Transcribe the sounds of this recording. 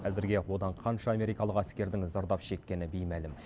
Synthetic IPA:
æzɪɾɡʲe̞wo̞d̪ɑɴqʰɑnʃɑːme̞ɾijkɑlˠəqæskʲe̞ɾd̪ɪŋzɑɾd̪ɑpʃe̞kʲːe̞nɪbijmælɪm

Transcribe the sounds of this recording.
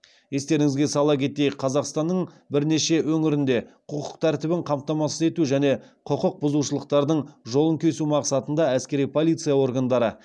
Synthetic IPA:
je̞st̪e̞ɾɪŋɪzɡʲe̞sɑlˠɑpkʲʰe̞t̪e̞jqʰːɑzɑqst̪ɑnːəɴ | bɪɾne̞ʃe̞wɵŋɪɾɪnd̪e̞qʰʊqʰə̥q̚t̪ʰæɾt̪ɪbɪɴqʰɑmt̪ɑmɑsəze̞t̪uʒæne̞qʰʊqəq̚bʊzuʃəlˠəq̚t̪ɑɾd̪əɴʒo̞lˠəŋkʲʰe̞sumɑqsɑt̪ənd̪ɑæskʲe̞ɾijpʰo̞lʲˠijt̪sɨjawo̞ɾɡand̪ɑɾə

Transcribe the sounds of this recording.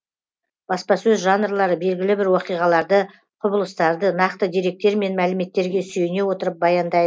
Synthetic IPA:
b̥ɑspɑsɵzʒɑnrlˠɑɾəbe̞lɡʲɪlɪbɪɾwoqijʁɑlˠɑɾd̪ə | qʰʊbəlˠəst̪ɑɾd̪ənɑqt̪əd̪eɾe̞k̚t̪e̞ɾme̞nmælɪme̞t̪ːe̞ɾɡʲe̞syje̞ne̞wo̞t̪əɾəp̚bɑjɑnd̪ɑjd̪ə

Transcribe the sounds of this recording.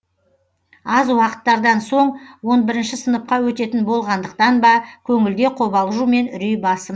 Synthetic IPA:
ɑzwɑqə̥t̪ːɑɾd̪ɑnso̞ɴwo̞nbɪɾɪnʃɪsənəp̚qɑwɵt̪e̞t̪ɪnbo̞lˠʁɑnd̪əq̚t̪ɑnbɑkʲʰɵŋɪld̪e̞qʰo̞βɑlˠʒume̞nʏɾijbɑsəm

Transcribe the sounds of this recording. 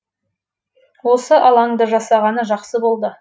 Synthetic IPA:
wo̞səʔɑlˠɑŋd̪əʒɑsɑʁɑnəʒɑqsəbo̞lˠd̪ə

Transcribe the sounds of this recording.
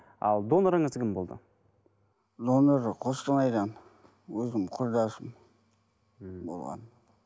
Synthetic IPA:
ɑ̰lˠd̪o̞noɾəɴəzkʲɪmbo̞lˠd̪ə̰ | d̪o̞noɾqʰost̪əmɑjd̪ɑn | wɵzɪmqʰʊɾd̪ɑsəm | bo̰lˠʁɑ̰n

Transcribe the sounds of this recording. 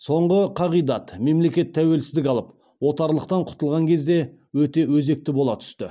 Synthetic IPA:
so̞ɴʁəqʰɑʁijd̪ɑt̪me̞mle̞kʲe̞t̪ʰːæwe̞lsɪzd̪ɪkʲɑlˠəp | wo̞t̪ɑɾlˠəq̚t̪ɑɴqʰʊ̥t̪əlˠʁɑŋkʲʰe̞zd̪e̞ | wɵt̪e̞wɵze̞k̚t̪ɪbo̞lˠɑt̪ʰʏ̥st̪ɪ

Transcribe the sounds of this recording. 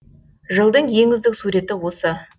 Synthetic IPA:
ʒəlˠd̪əɴje̞ŋʲɪzd̪ɪksuɾe̞t̪ɪwo̞sə

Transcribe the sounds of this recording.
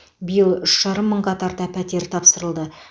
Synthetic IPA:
bɪjəlˠʏʃʒ̥ɑɾəmːəɴqɑt̪ʰɑɾt̪ɑpʰæt̪e̞ɾt̪ʰɑpsəɾəlˠd̪ə

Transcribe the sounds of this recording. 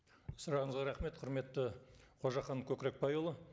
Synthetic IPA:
sʊɾɑʁəɴəzʁɑɾɑχme̞t̪qʰʊɾme̞t̪ːɪqʰoʒɑχɑnkʲʰɵkʲɪɾe̞k̚pɑjolˠə

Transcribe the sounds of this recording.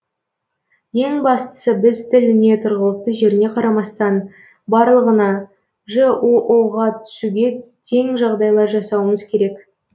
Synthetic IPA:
je̞ŋbɑst̪ə̥səbɪzt̪ʰɪlɪne̞t̪ʰʊɾʁəlˠəft̪əʒe̞ɾɪne̞qʰɑɾɑmɑst̪ɑn | bɑɾlˠəʁənɑ | ʒəoʔoʁɑt̪ʰʏ̥suɡʲe̞t̪ʰe̞ŋʒɑʁd̪ɑjlˠɑɾʒɑsɑwəməz̥kʲʰe̞ɾe̞k

